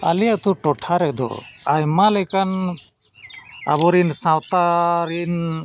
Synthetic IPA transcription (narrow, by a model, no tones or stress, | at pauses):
a̰lijat̪uʈɔʈʰaɾɛd̪ɔ̰ajmalɛkan | a̰bɔɾinsãwt̪aɾin